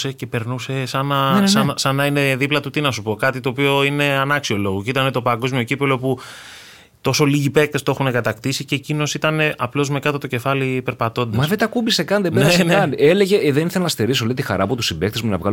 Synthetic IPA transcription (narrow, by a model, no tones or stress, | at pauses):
se̞ce̞pe̞ɾnuse̞sɐnɐsɐnɐsɐnɐine̞ðiplɐt̪ut̪inɐsupo̞kɐt̪it̪o̞ːpio̞ine̞ɐnɐksio̞lo̞ɣoceit̪ɐne̞t̪o̞pɐŋɡo̞zmio̞cipelo̞pu | t̪o̞so̞liʝipe̞k̚t̪est̪oe̞xune̞kɐt̪ɐkt̪isice̞ːcino̞sit̪ɐne̞ɐplo̞zme̞kɐt̪ot̪o̞ce̞fɐlipe̞ɾpɐt̪o̞nd̪mɐsvet̪ɐkubisekɐnðeneeneɐneleʝeðeniθelɐnɐst̪eɾisolet̪ixɐ̰ɾɐːpot̪usibek̚t̪ezmunɐ̰vɣɐ̰l